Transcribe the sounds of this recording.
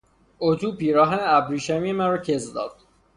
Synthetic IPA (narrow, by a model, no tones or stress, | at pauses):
ot̪ʰuːpiːɾɒːɦæneæbɾiːʃæmijemænɾɒːcʰezd̪ɒ̰ːd̪̥